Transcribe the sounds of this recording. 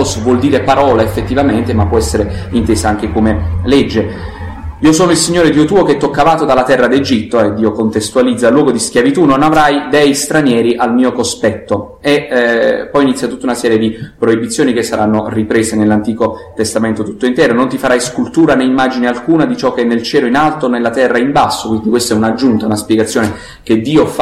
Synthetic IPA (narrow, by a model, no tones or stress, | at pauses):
svwɔld̪iːɾepaɾɔːlaefːet̪ːivament̪emapːwɔɛsːeɾeint̪eːsaaŋk̟ekomelɛd͡ʒːe | iːosoːnoilsiɲːoːɾed̪iːot̪uːokeɛt̪ːokːavaːt̪od̪alːat̪ɛrːad̪ed͡ʒit̪ːoed̪ːiːokont̪est̪ualid̪zːalwɔːɡod̪iskjavit̪unonavɾajd̪ɛjst̪ɾanjɛːɾiʔalmiːokospɛt̪ːo | e | pːɔjinit̪sjat̪ut̪ːaunasɛːɾjed̪ipɾoibit̪sːjoːnikesːaɾanːoripɾeːsenelːant̪iːkot̪est̪ament̪ot̪ut̪ːoint̪ɛːɾonont̪ifaɾajskult̪uːɾaneimːaːd͡ʒinealkuːnad̪it͡ʃɔk̟ːeɛnːelt͡ʃɛːloinalt̪onelːat̪ɛrːaimbasːokwind̪ikwest̪ɛunad͡ʒunt̪aunaspjeɡat̪sːjoːne | ked̪ːiːof